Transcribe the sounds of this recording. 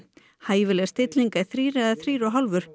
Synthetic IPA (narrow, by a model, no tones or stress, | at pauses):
haːjvɪlɛɣst̪ɪt̪liŋkaiθɾiːɾɛðaθɾiːɾaɦawlvʏɾ̥